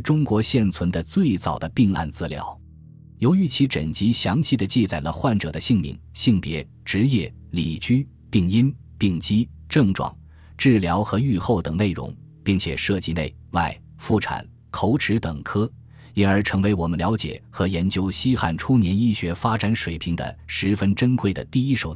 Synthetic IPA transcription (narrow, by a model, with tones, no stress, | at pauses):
ʈ͡ʂʊ˥ŋkwɔ˧˥ɕjɛ˥˩nt͡sʰwə˧˥nd̪ə˧t͡swe˥˩ɪt͡sɑ̰˨˩ʊd̪ə˦pi˥˧ŋa̰˥˧nt͡sɹ̩˧˥ljɑ̰˧˥ʊ | jo˧˥ʊy˧˥t͡ɕʰi˧˥ʈ͡ʂə̰˨˩nt͡ɕi˧˥ɕjɑ˧˥ŋɕi˥˩d̪ə˩t͡ɕi˥˧t͡sa˨˩ɪlə˦xwa˥˩nʈ͡ʂɤ̰˨˩d̪ə˦ɕi˥˧ŋmḭ˥˩ŋɕi˥˩ŋpjɛ˧˥ | ʈ͡ʂɻ̩˧˥jɛ˥˩ | li˨˩t͡ɕy˥ | pi˥˩ŋi˥n | pi˥˩ŋt͡ɕi˥ | ʈ͡ʂɤ˥˩ŋʈ͡ʂwɑ̰˨˩˦ŋ | ʈ͡ʂɻ̩˥˩ljɑ˧˥ʊxɤ˧˥y˥˧xo˥˩ʊt̪ɤ˨˩ŋne˥˩ɪɻʊ̰˧˥ŋ | pi˥˩ŋt͡ɕʰjɛ̰˨˩ʂɤ˥˧t͡ɕi˥˧ne˥˩ɪwa˥˩ɪ | fu˥˩ʈ͡ʂʰa̰˨˩˦n | kʰo˧˥ʊʈ͡ʂʰɻ̩˧˥t̪ɤ˨˩ŋkʰɤ˥ | i˧˥nə˞˧˥ʈ͡ʂʰɤ˧˥ŋwe˧˥ɪwɔ˨˩mə˦nljɑ˧˥ʊt͡ɕjɛ̰˨˩xɤ˧˥jɛ˧˥nt͡ɕjo˥ʊɕi˥xa̰˥˩nʈ͡ʂʰu˥njɛ˧˥ni˥˩ɕɥɛ˧˥fa˥ʈ͡ʂa˧˥nʂwe˨˩ɪpʰi˧˥ŋd̪ə̰˧ʂɻ̩˧˥fə˥nʈ͡ʂə˥nkʰwe˥˩ɪd̪ə̰˨t̪i˥˧i˥ʂo˧˩ʊ